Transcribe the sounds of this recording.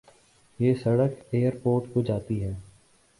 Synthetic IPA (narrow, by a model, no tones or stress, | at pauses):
jeːsɐɽəkeːəɾpoːɾʈkod͡ʒaːt̪iɦɛː